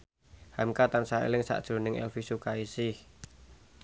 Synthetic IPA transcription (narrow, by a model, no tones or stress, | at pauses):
hamkat̪ansaḛlɪŋsa̰ʔd̥ʒ̥o̤nɪŋɛ̰lfisukaisɪh